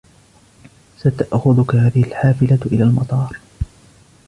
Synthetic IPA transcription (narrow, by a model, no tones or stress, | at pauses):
sat̪aʔxʊðʊkahaːðɪhɪlħaːfɪlaʔɪlaːlmɑt̪ˤɑːɾˤ